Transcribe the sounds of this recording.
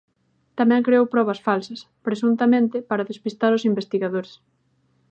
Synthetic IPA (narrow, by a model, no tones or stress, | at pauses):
t̪amɛ̃ŋkɾeowpɾɔβɐsfalsɐs | pɾesunt̪ɐmẽnt̪ɪpaɾɐðespist̪aɾʊsimbest̪iɣaðoɾes